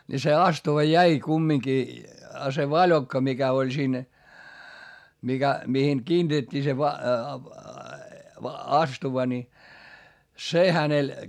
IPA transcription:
ni se ɑstuʋɑ jæi kumːiŋki ɑ se ʋɑlʲokːɑ mikæ olʲ siːn mikæ mihiŋ kiːntetʲːiː se ʋɑ ɑstuʋɑ ni se hænel

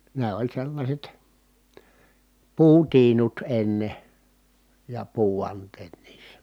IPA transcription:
ne olʲ selːɑsʲet puːtiːnut enːe jɑ puːʋɑntˑeːt niːsːæ̥

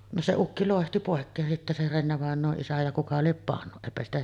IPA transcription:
no se ukːi loˑehti poˑekːeːn sitːe se renːeʋɑˑenˑoːʔ ʔisæ jɑ kukɑ liep pɑnːu eˑipæ stæ

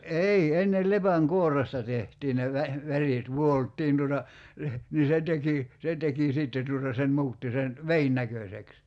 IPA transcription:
ei enːel lepæŋkuorːestɑ tehtiː ne ʋæ ʋæriˑt ʋuoltːiːn tuotɑ leh niː se teki se teki siˑtːe tuotɑ se mu̞utːi sen ʋein nækøseks

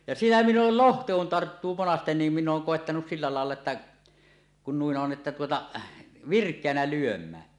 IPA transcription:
jɑ siːnæ minˑ oːl lohtɑ kun tɑrtːuː monɑsten niːm minː oːŋ koˑetːɑnus silːæ lɑˑelːɑ etːæ kun nuin on etːæ tuotɑ ʋirkˑeænæ lyømˑæːn

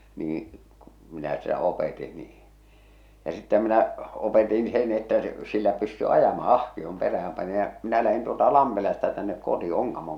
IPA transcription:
niːĩ ku̥ minæ sitæ opeˑti niː jɑ sĭtːeh̆æ̆ minæ opetin sen etːæ s silːæ pysty ɑjɑmɑ ɑhkiom peræhæm pɑni jɑ minæ læhin tuoltɑ lɑmpelɑstɑ tænːek koti oŋkɑmoŋ

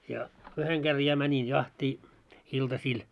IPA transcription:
jɑ yheŋ ɡ̊er jɑ mænin jɑhtiː iltɑsiːl

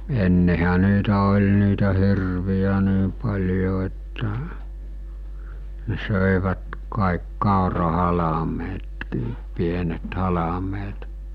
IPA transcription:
enːehæ niːtæ olʲ niːtæ hirʋiæ niː pɑlʲjo etːæ ne søˑeʋæt kɑˑik kɑˑorɑhɑlɑmetkiːp pienet hɑlɑmeːt

